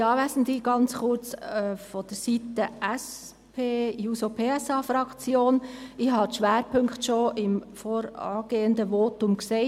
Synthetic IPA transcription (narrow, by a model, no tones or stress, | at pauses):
ɑːʋæːsən̩diɡ̥ɑnt͡sχʊɾt͡sœfɔd̥əɾsitəʔɛs | pʰeːjuːsopʰeːɛsɑːfɾɑkt͡sjoːnɪɦhɑdʃʋæːɾpʰɵŋktʃoʔɪmfoːɾɑ̰ːɡ̥eːəndəʋoːtʊmkseː